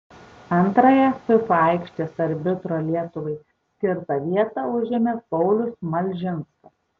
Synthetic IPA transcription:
ɐnt̪ɾɐjɛsʊpɐˑɪkʃʲt̪ʲesɐɾʲbʲɪt̪ɾoːlʲiɛt̪ʊʋɐɪ | sʲkʲɪɾt̪ɑʋʲiɛt̪ɑʊʒʲɪmʲepɔʊlʲʊsmɐlʲʒʲɪnskɐ

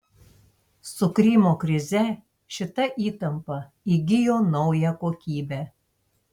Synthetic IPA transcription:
sʊkɾʲiːmoːkɾʲɪzʲɛ | ʃʲɪt̪ɐʔiːt̪ɐmpɐ | iɡʲɪjoːnɒʊjɛkoːkʲiːbʲæ

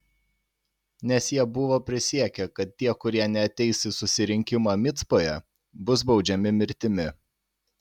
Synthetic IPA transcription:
nʲɛsjiɛbʊʋoːpʲɾʲɪsʲiɛkʲɛkɐt̪̚t̪ːʲiɛkʊɾʲiɛnʲɛɐt̪ʲɛɪsʲɪsʊsʲɪɾʲɪŋʲkʲɪmɑːmʲɪt̪spoːjɛ | bʊs̬bɒʊd͡ʒʲɛmʲɪmʲɪɾʲt̪ʲɪmʲɪ

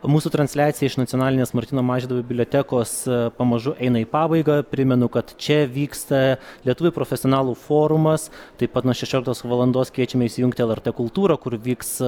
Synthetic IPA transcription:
muːsuːt̪ɾɐnʲsʲlʲæːt̪sʲɪjɛɪʃnɐt̪sʲjoːnɑːlʲɪnʲeːsmɐɾʲt̪ʲɪnoːmɑːʒʲind̪ɐʋbɪblʲoːt̪ʲɛkoːspɐmɐʒʊʔɛɪnɐiːpɑːbɐɪɡɐpʲɾʲɪmʲɛnʊkɐt̪t͡ʃʲɛʋʲiːkst̪ɐlʲiɛt̪ʊʋʲʊpɾoːfʲɛsʲɪonɑːlˠuːfoːɾʊmɐst̪ɐɪpɐt̪nuɔʃʲɛʃʲoːlʲɪkt̪oːsʋɐlˠɐnd̪oːskʋʲiɛt͡ʃʲɛmʲɛɪʃsʲɪjʊŋkt̪ʲɪɛlˠɛɾt̪eːkʊlˠt̪uːɾɐkʊɾʋʲiːks

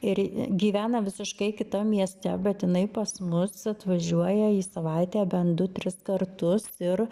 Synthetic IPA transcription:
ɪɾɡʲiːʋʲæːnɐʋʲɪsʲɪʃkɐɪkʲɪt̪ɐmʲiɛsʲt̪ʲɛ̰bʲɛt̪jɪnɐɪpɐsmʊsɐt̪ʋɐʒʲuɔjɛiːsɐʋɑɪt̪ʲeːbʲɛnd̪ʊt̪ʲɾʲɪskɐrt̪ʊsɪr

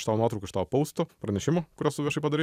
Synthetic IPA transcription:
ʃt̪ɑːʋnuɑt̪ɾʊkɪʃt̪ɑːʋopɔʊst̪oːpɾɐnʲɛʃʲɪmokʊɾʲost̪ʊʋʲiɛʃɐɪpɐd̪ɐɾe

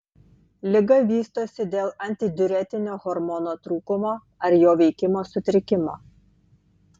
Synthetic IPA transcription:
lʲɪɡɐʋʲiːst̪oːsʲɪd̪ʲeːlˠɐnʲt̪ʲɪd̪ʲʊɾʲɛt̪ʲɪnʲoːɣɔɾmɔnoːt̪ɾuːkʊmoː | ɐɾjoːʋʲɛɪkʲɪmoːsʊt̪ʲɾʲɪkʲɪmo̰ː

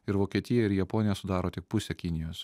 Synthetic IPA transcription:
ɪɾʋoːkʲiɛt̪ʲɪjɛɪɾjɛpoːnʲɪjɛsʊd̪ɑːɾoːt̪ʲɪk̚pʊsʲɛkʲɪnʲɪjoːs

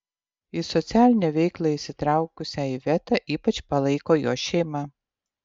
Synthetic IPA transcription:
ɪsɔt̪sʲæːlʲɪnʲɛʋʲɛɪklˠɐɪʃsʲɪt̪ɾɑˑʊkʊsʲæiʋʲɛt̪ɑʔiːpɐt͡ʃpɐlˠɐɪkoːjo̰ːʃʲɛɪmɑ

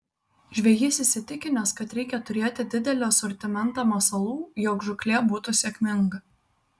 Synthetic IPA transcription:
ʒʲʋʲɛjɪsʲɪsʲɪt̪ʲɪkʲɪnʲɛskɐt̪ɾʲɛɪkʲɛt̪ʊɾʲeːt̪ʲɪd̪ʲɪd̪ʲɛlʲɛɐsɔɾʲt̪ʲɪmʲɛnˑt̪oːmɐsɐlˠuːjɔkʒʊkʲlʲeːbuːt̪ʊsʲɛːkʲmʲɪŋɡɐ

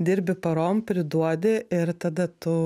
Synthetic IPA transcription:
d̪ʲiːɾʲbʲɪpɐɾoːmpʲɾʲɪd̪uɔd̪ʲɪɪɾt̪ɐd̪ɐt̪ʊ

